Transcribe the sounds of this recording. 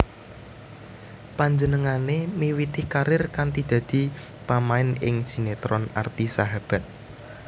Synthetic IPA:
paɲd͡ʒənəŋanemiwit̪ɪhkaɾɪrkant̪id̪̥ä̤d̪̥i̤ | pamaɪnɪ̰ŋsinet̪ɾɔna̰rt̪isaɦab̥a̤t̪̚

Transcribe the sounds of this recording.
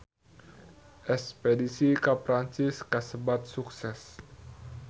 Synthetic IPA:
ʔɛspedisikapɾaɲt͡ʃiskasəbat̪̚suksɛs

